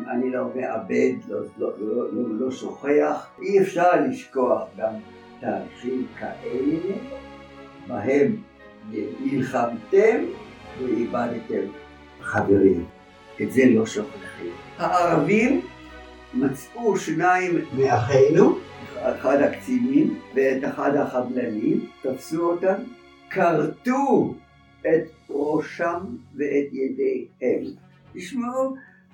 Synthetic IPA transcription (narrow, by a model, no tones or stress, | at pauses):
a̰nilomeʔabed̪loloololoʃoχeaχʔiefʃaʁliʃkoaχɡam | t̪aːʁiχimkaʔelːe | baɦem | nilχamt̪emveibad̪t̪em | χaveʁim | ezelo̞ʃoχlχemhaʔaʁavimː | at͡sʔuʃnaimmeaχejnuaχad̪hakt͡simimveet̪aχad̪haχablanimt̪afsuot̪am | kʰaʁt̪u | et̪̚ʁoʃamveʔet̪jedejhel | tiʃmeu